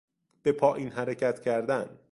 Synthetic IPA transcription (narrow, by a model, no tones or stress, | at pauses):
b̥e̞pʰɒːʔiːnɦæɾecʰæt̪ʰcʰæɾd̪æn